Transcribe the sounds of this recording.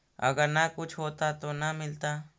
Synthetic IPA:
ɐ̰ɡəɾnakʊt͡ʃʰɦoːt̪at̪onɐmɪlt̪aː

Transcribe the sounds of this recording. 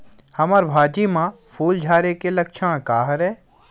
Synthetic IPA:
hɐməɾbʱaːd͡ʒimãfʰuːld͡ʒʱaːɾekelɐkʃʰəɽ̃kaːɦɾɛː

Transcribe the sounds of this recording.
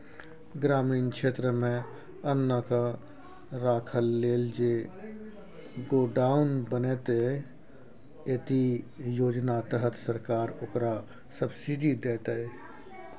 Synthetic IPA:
ɡɾaːmiːnkʃeːt̪ɾəmẽ | ənːaka | ɾaːkʰəlːeːld͡ʒe | ɡoːɖaːʊnbəneːt̪e | eːt̪ijoːd͡ʒnat̪əɦət̪səɾkaːɾʊkɾa | səbsiɖid̪eːt̪ee

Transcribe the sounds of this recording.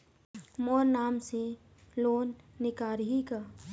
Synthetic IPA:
mɔːɾnaːmse | loːnːɪkaːɾɦika

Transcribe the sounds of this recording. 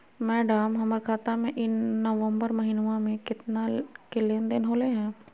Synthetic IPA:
mɛːɖamɦɐməɾkʰaːt̪amẽʔɪnːəʋə̃mbəɾmɐɦɪnʋãmẽkɪt̪nakeleːnd̪ɪnɦoːleɦɛ̃ː

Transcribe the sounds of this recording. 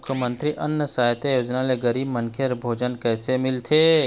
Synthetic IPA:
ʊkʰjəmə̃nt̪ɾiʔɐnːəsaːjt̪ejoːd͡ʒnaleɡəɾiːbmɐ̃ŋkʰeɾbʱoːd͡ʒənkɛːsemɪlt̪ʰeː

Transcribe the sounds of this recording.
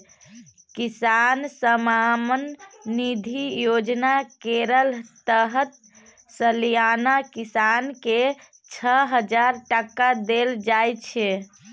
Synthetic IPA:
kisansəmamənːid̪ʱijod͡ʒnakeɾəlt̪əɦət̪ | səljanakisanke | t͡ʃʰəɦəd͡ʒaɾʈakad̪eld͡ʒajt͡ʃʰɛ

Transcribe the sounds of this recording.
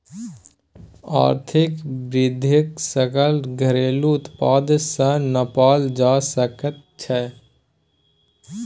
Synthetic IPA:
a̰ːɾt̪ʰɪkbɾɪd̪ʱɪksəkəlɡʱəɾeːluʊt̪paːd̪sə̃nəpaːld͡ʒaːsəkət̪̚ | t͡ʃʰɛ

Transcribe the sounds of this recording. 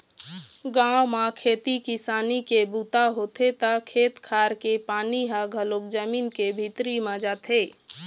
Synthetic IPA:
ɡãwmakʰeːt̪ikɪsaːnikebuːt̪aɦot̪ʰet̪əkʰeːt̪kʰaːɾkepaːniɦaɡʱəlok̚d͡ʒəmiːnkebʱit̪ɾimãd͡ʒaːt̪eː

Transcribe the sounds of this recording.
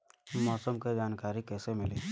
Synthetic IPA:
umɔːsəmked͡ʒaːnkaːɾikɛːsemɪleː

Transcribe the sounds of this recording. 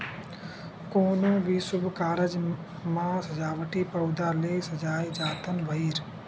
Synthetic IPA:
koːnõːʋʱiːsʊbʱkaːɾəd͡ʒ | mãːsɐd͡ʒaːʋəʈiːpɐwd̪aːleːsɐd͡ʒaːid͡ʒaːt̪ʰənʋʱəiːɾ

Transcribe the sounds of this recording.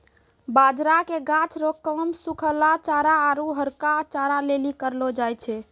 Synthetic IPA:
bad͡ʒɾakeɡãt͡ʃʰɾokːəmsukʰəlat͡ʃaɾaːɾuɦəɾkat͡ʃaɾalelikəɾlɔd͡ʒajt͡ʃʰɛ

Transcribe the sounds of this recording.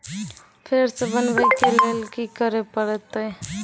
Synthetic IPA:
pʰeɾsebənbəjkelelkikəɾepəɾɛt̪ə

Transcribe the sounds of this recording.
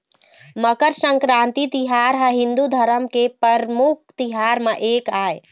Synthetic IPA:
məkəɾsə̃ŋkɾãnt̪it̪iɦaɾɦəɦĩnd̪ud̪ʱəɾəmkepəɾmuk̚ʰt̪iɦaɾmeʔekae

